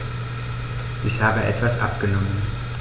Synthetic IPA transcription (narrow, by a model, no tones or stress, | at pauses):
ʔɪçhaːbəʔɛ̰tv̥asʔa̰p̚ɡ̥ənɔmən